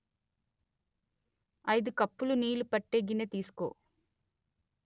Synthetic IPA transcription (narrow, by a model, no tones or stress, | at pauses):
ɐjd̪ukɐpːuluniːlupɐʈːeːɡinet̪iːsu̥ko̰ː